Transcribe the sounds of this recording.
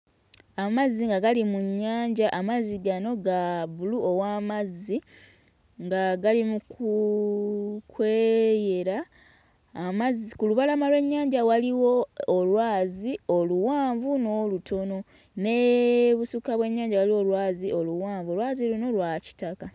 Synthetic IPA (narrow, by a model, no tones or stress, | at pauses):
amazːiŋɡaɡalimuɲːaːɲɟaʔamaziɡano̞ɡaβuluo̞waːmazːi | ŋɡaɡalimuku | kwe̞je̞ɾaː | mazikuluβalamalwe̞ɲːaːɲɟawaliwo̞ːlwaːzio̞luwaːɱvuno̞ːlutʰo̞no̞ | ne̞βusukaβwe̞ɲːaːɲɟawaliwo̞lwaːzio̞luwaːɱvolwaːziluno̞lwaci̥taka